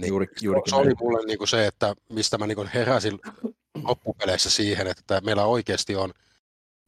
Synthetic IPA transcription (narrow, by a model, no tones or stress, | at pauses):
nseolimulːenniːŋkuseet̪ːæmist̪æmæniːŋkonheræsin | lopːupelesːæsiːhenet̪ːæmeilːæoikeːst̪ion